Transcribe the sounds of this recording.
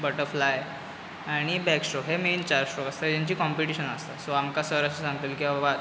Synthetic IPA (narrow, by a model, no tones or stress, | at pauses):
bəʈəɾflaj | aɽ̃ibɛksʈɾɔkɦement͡ɕaɾsʈɾɔkast̪ad͡ʑaɲt͡ɕiːkɔmpiʈiɕənast̪asoamkasəɾaɕisãŋɡət̪əlkiaʋa